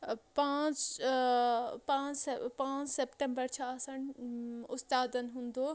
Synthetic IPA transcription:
pãːt͡ʃ | pãːpãːt͡ʃsepʈẽmbəɾt͡ɕʰaːsəñʊst̪aːd̪ənɪ̆ɦũːnd̪oː

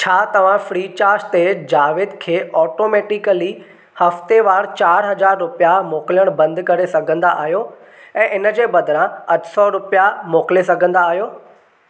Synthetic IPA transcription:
t͡ɕʰaːt̪ɐʋ̤ãfɾiːt͡ɕaːɾst̪ed͡ʑaːʋɪd̪kʰeːɔːʈoːmeːʈɪkəli | hɐft̪eʋaːɾt͡ɕaːɾɦɐzaːɾɾʊpijamoːkɪljəɽ̃bɐ̃nd̪kɐɾesɐɡʱə̃nd̪aʔa̰ːɦijo | ɛ̃ːʔɪnəd͡ʑeːbɐd̪ʱɪɾãɐʈsɔːɾʊpijamoːkɪlesɐɡʱə̃nd̪aːɦijoː

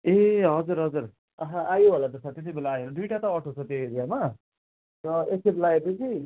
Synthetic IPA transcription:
eɦʌd͡zuɾɦʌd͡zur | ʌɦãʔajuɦolat̪ʌsʰat̪et̪̬ibelaːjeɾʌd̪ujʈat̪ʌʌʈʰot͡sʰʌt̪eɾijama | rʌeseblaɡed̪ut͡si

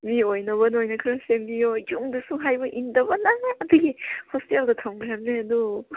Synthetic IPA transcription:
miojnɐβɐnojnɐkʰɯɾɐsembijod͡ʒuŋdusuŋɦajbɐʔindɐbɐnaŋeɐduɡihɔsteldɐtʰamɡjamneɐdu

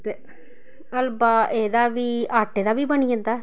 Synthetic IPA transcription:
t̪e | əlbaːʔeːd̪aːʋiːaːʈːeːd̪aːʋiːbənijə̃nd̪aː

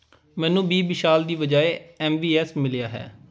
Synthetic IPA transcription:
mɛ̃ːnũːbiːbɪʃaːld̪iːʋəd͡ʒaːeɛːmbiːɛːsmɪlɪjaːɦɛ̰ː

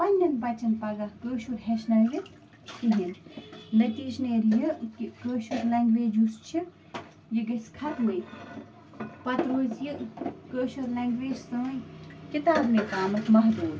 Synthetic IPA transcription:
pɐnʲːɐnpɐt͡ʃɐnpɐɡakəːʃuɾɦeʃnɐɾjɨ | k̪iɦinnɐt̪iːʃneːɾjɐkikəːʃuɾlaːŋɡʋeːd͡ʒust͡ʃʰi | jiɡɐsʲkʰɐt̪mɨj | pɐt̪ɾoːzjikəːʃuɾleːŋɡʋeːd͡ʒsɐːjkit̪aːbnẽːkaːmɐk̪mɐɦt̪uːɾ

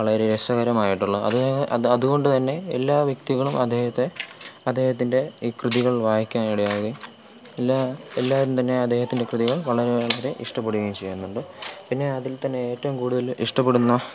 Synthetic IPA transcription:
ɐɭɐɾeɾesɐɣɐɾɐmaːjiʈːuɭːɐɐ̰ðɐðuɣo̞ɳɖɨt̪ɐnːe̞ːlːaːʋjɐkt̪iɣɐɭumɐd̪ʱːeːhɐt̪ːe̞ | ɐd̪ʱːe̞ːhɐt̪̬ːinde̞iːkrɨðiɣɐɭʋaːɦikʲːaːniɽɐjaːʋɐði | elːaelːaːʋɐɾumt̪ɐnːe̞ɐd̪ʱːe̞ːhɐt̪ːinde̞krɨðiɣɐɭʋɐɭɐɾeɭɐɐɾeʔiʂʈɐp̬ːeɽuɣɐjmt͡ɕejːunːuɳɖɨ | pinːe̞ɐðilt̪ɐnːe̞eːtːɐʋumkuːɽuðɐliʂʈɐp̬ːeɽunːɐ

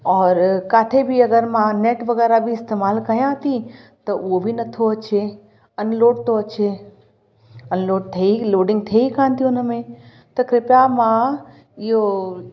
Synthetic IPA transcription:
ɔːɾkaːt̪ʰebʱiɐɡəɾmãneːʈʋɐɣɛːɾabʱiɪst̪eːmaːlkɐijãt̪it̪ɐʔʊɦobʱinɐt̪ʰoɐt͡ɕe | ɐnloːɖ̚t̪oɐt͡ʃʰe | ɐnloːɖ̚t̪ʰɐiloːɖɪ̃ŋɡt̪ʰeikʰãːnt̪iʊnəmẽ | t̪ɐkɾɪpʈamã | ɪɦo

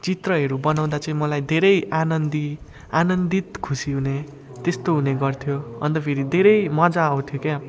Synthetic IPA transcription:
t͡sit̪rʌɦʌɾubʌnaw̃d̪at͡sʌĩmʌlajd̪ʱeɾʌjʔanʌnd̪i | anʌnd̪it̪kʰusiɦune | t̪est̪oɦuneɡʌrt̪ʰjoʌ̰nt̪ʌpʰeɾid̪ʱeɾʌjmʌd͡zaʌwt̪ʰjoke

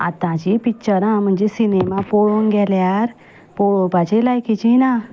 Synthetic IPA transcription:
a̰t̪ãt͡ʃipit͡ʃəɾãm̤ə̃nd͡ʒesinemãpoɭõnɡɛljaɾ | poõpat͡ʃʰelajkit͡ʃʰinã

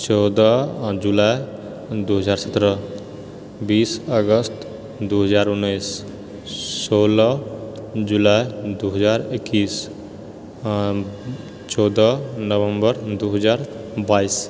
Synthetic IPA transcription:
t͡ʃɔːd̪əd͡ʒulaj | d̪uɦəd͡ʒaːɾsət̪ɾə | biːsəɡəst̪ | d̪uɦəd͡ʒaːɾʊnːəjs | soːlə | d͡ʒulajd̪uɦəd͡ʒaːɾɪkːiːs | t͡ʃɔːd̪ənəʋəmbəɾd̪uɦəd͡ʒaːɾ | baːis

